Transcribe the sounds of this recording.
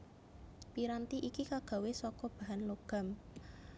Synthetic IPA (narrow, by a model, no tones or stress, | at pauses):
piɾant̪iʔikikaɡ̥a̤wesɔkɔb̥a̤ɦanloɡ̥a̤m